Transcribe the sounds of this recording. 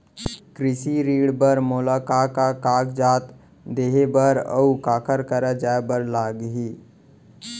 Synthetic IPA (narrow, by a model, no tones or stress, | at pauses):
kɾɪsiɾiːɽbəɾmʊlakaːkakaːkd͡ʒaːt̪ | d̪eːɦebəɾə̰ukaːkʰəɾkəɾəd͡ʒaːebəɾlaːɡɦiː